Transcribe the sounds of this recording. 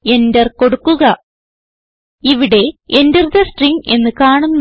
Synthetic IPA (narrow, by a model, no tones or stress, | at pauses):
e̞ndɐrko̞ɽukːuɣɐ | iʋiɽe̞endɐrd̪ɐsʈriŋɡe̞nːɨkaːɳunː